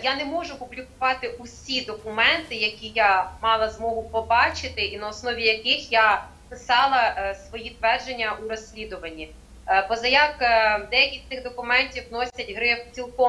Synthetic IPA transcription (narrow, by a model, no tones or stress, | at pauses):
janɛmɔʒʊpʊblʲikʊʋɑt̪ɪʔusʲid̪ɔkʊmɛnt̪ɪjɐkʲijamɑlˠɐzmɔɦʊpɔbɑt͡ʃɪt̪ɪinɐɔsnɔʋʲijɐkɪxja | pɪsɑlˠɐsʋɔjit̪ʋɛrʒenʲːɐʔuɾɔsʲlʲid̪ʊʋɐnʲːi | pɔzɐjakd̪ɛjɐkʲisʲt̪ɪxd̪ɔkʊmɛnʲtʲiwnɔsʲɐtʲɦɾɪpt͡sʲilˠkɔ